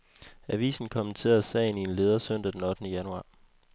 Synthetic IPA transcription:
æʋḭːsn̩kʰɒ̽mənt͡sʰe̝̰ːɐðˠsɛ̰ɪnie̝nle̝ːð̞ˠɐsøn̰d̥æd̥enɒ̽d̥ənəjænuɑ̈ː

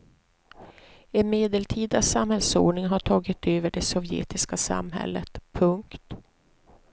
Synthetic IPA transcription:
ɛnmeːd̪ɛlʈʰiːd̪asamhɛlso̰ːɖɳɪŋɦaʈʰɑːɡɪt̪ːøːvəɖɛsɔvjḛːt̪ɪskasa̰mɦɛ̰lːət̪pʰɵŋkt̪

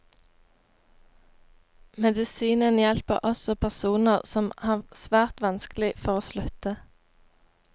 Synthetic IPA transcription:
mɛd̪ɪsiːnənjɛlpə̰ʁʔɔsɔpʰæʁsuːnəʁsɔmhɑːsʋæːʁt̪ʋɑnsklɪfɔʁoːslʉt̪ə

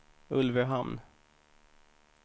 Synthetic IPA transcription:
ɵlvəɦamn

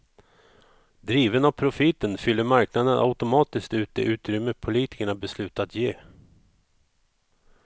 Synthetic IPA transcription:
d̪ɾiːvənavpʰɾʊfɪt̪ːənfʏlːəɾmaɾknad̪əna̰ʉt̪ʊmɑːt̪ɪskt̪ʉ̟ːt̪ɛ̰ʔʉ̟ːt̪ɾʏmːəpʰʊliːt̪ɪ̥kəɳabɛslʉ̟ːt̪at̪jeː

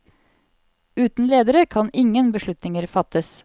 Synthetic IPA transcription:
ʉːt̪n̩leːd̪əɾəkʰɑnɪŋənbəʃɭʉt̪nɪŋəɾfɑt̪əs

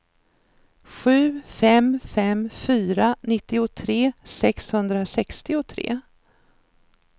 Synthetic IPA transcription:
ɧʉ̟ːfɛmfɛmfyːɾanɪt̪ːɪʊt̪ʰɾeːsɛkshɵnd̪ɾasɛkst̪ɪʊt̪ʰɾḛː

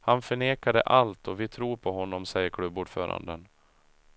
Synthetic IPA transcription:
hanfœɳeːkad̪ə̰ʔalt̪ʰɔvɪt̪ʰɾuːɾpʰɔɦɔnːɔmsɛjːəɾkʰɽɵbːuːɖfœ̰ːɾa̰nd̪ən

